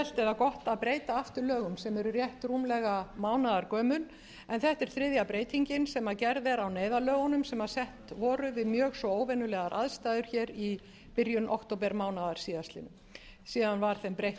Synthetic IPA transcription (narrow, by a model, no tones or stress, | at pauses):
ɛl̥t̪ɛɾakɔht̪aðpɾeːjt̪aaft̪ʏɾlœːɣʏmsɛmɛɾʏrjɛht̪ruːmlɛɣamaːwnaðaɾkœːmʏn | ɛnθɛht̪ɛɾ̥θɾɪðjapɾeːjt̪ʰiɲcɪnsɛmacɛɾðɛɾawneːjðalœːɣʏnʏmsɛmaðsɛht̪vɔːɾʏvɪðmjœːɣsvɔoːwvɛnʏlɛɣaɾʔa̰ðst̪aːjðʏɾ̥çɛːɾi | pɪɾjʏnʔokt̪owp̬ɛɾmaːwnaðaɾ̥siːðast̪ɪ̰nʏm | siːðanvaɾ̥θɛmpɾejh